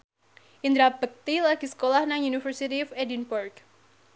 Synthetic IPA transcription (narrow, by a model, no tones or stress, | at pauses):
ʔind̪ɾabək̚t̪ilaɡ̥i̤sə̥kolahnaŋjunifərsit̪iɔfɛdinpɔrk